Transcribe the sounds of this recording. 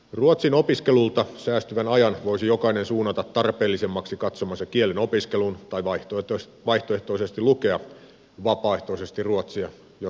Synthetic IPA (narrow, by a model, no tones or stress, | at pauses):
ruot̪sino̞piskelult̪ɑsæːst̪yʋænɑjɑnʋoisijo̞kɑinensuːnːɑt̪ɑt̪tɑrpe̞ːlːisemːɑksikɑt̪somɑsːɑkieleno̞piskelunt̪ɑiʋɑ | ʋɑiht̪oe̞ht̪oise̞st̪iluke̞ɑ | ʋɑpɑːeht̪oisest̪irruot̪siɑ | jo